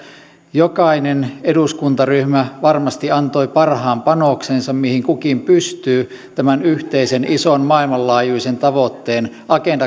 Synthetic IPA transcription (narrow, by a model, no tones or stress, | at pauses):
jokɑineneduskunt̪ɑryhmæʋɑrmɑst̪iɑnt̪oipɑrhɑːmpɑnoksensɑmmihiŋkukimpyst̪yː | t̪æmænyht̪eisenʔisonmɑilmɑllɑːjuisent̪ɑʋot̪ːeːn | ʔɑkendɑ